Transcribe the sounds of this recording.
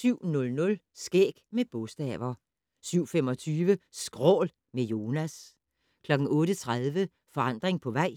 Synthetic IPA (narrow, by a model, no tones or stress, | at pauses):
syʊ̰nɔ̽lnɔ̽l | sɡ̥eːɡ̥meb̥ɔsd̥ɛːʋɐ | syʊ̰femɒ̽t͡sʰyːʋəsɡ̥ʁɔ̰ːl | mejo̝ːnæs | kʰlɒ̽ɡ̥n̩ɔ̽ːɾət͡sʰʁaðˠʋə | fɒ̽ɑ̈n̰d̥ʁeŋpʰɒ̽ʋɑ̈ɪ̰